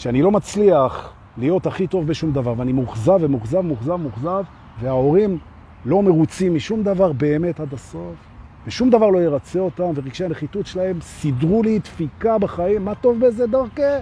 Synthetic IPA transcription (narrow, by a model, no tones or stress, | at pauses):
ʃeanilo̞mat͡sliaχ | lijo̞taχit̪o̞vbeʃumd̪avaʁveanimuχzavemuχzavmuχzavmuχzav | ve̞ao̞ʁim | lo̞me̞ʁut͡simːiʃumd̪avaʁbe̞ːme̞tad̪aso̞fveʃumd̪avaʁlo̞jeʁat͡seo̞tamveʁiɡʃeaneχit̪utʃelae̞msidʁulitfikabaχaimːato̞vbezed̪aʁke